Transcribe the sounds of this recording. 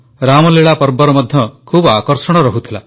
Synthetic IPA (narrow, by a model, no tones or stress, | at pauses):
ɾamɔleɭapɔɾbɔɾɔmɔd̪ʱjɔkʰubakɔɾsɔɽ̃ɔɾɔɦut̪ʰila